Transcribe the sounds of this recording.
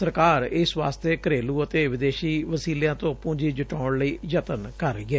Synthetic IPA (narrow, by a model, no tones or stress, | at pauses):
səɾkaːɾɪsʋa̰ːst̪eːkəɾeːluːət̪eːʋɪd̪eːʃiːʋəsiːljãːt̪õːpʊ̃ɲd͡ʒiːd͡ʒɪʈaːɳləiːd͡ʒət̪ənkəɾɛː